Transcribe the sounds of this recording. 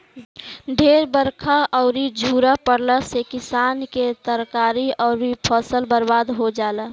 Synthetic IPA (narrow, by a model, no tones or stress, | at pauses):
ɖʱeːɾbəɾkʰaʔɔʊɾid͡ʒʱuːɾapəɽləsekɪsaːnket̪əɾkaːɾiɔʊɾipʰɔsəlbəɾbaːd̪ɦod͡ʒaːlə